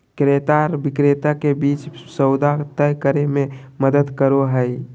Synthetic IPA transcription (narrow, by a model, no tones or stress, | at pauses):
kɾet̪aɾʋɪkɾet̪akebiːt͡ʃsəʊd̪at̪əjkəɾemẽməd̪əd̪kəɾoɦəj